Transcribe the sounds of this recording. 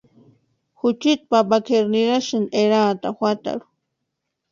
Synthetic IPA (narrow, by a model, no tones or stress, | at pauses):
xʊt͡ʃɪt̪̚papakʰeɾniɾaʃaneɾaːt̪axʷat̪a̰ɾu̥